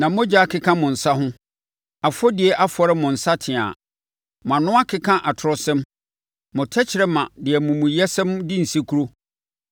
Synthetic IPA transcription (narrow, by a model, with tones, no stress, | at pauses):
nã˨mʊ̃˦d͡ʑa˦a˦kʰɪ˦kʰã˦mʊ̃˨n̩˨sa˦ɦʊ̃˦ | a˨fɔ˦dɪ˨ɛ˨ʔa˦fɔ˨ɾɪ˦mʊ̃˨n̩˨sa˦tʰɪ̃˨a̰˨ | mã˨nʊ̃˦a˦kʰɪ˦kʰã˦ʔa˨tʰʊ˨ɾɔ˨sɛ̃˦m | mʊ̃˨tʰɛ˦t͡ɕʰɪ˨ɾɛ˦mã˨dɪ˨ɛ˨mʊ̃˨mʊ̃˨jɛ˦sɛ̃˦mdɪ˦n̩˨si˦kʰu˦ɾo˦